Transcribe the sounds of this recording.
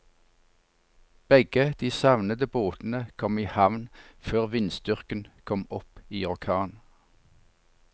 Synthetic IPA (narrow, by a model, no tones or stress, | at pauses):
b̥ɛɡəd̪̥iːsɑʋnəd̪əboːt̪n̩əkʰɔmiːhɑʋnføːʁʋɪnsd̪ʏʁkənkʰɔmɔpiːʊkʰɑːn